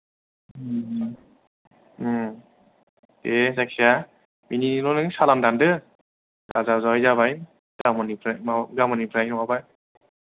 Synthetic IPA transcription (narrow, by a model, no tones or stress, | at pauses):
ezakʰija | mininɔnɯŋsalandandɯ | ɡazazajzaβajn | damɔnipʰɾamaɡamɔnipʰɾajnɔwabaj